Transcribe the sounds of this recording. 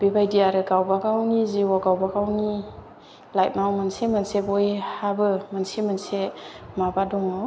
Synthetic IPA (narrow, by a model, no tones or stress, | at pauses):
bebajdijaɾɯɡawbaɡawniziwɔɡawbaɡawni | lajt̚mawmɯnsemənsebɔjhabɯmənsemɯnsemabadɔŋaw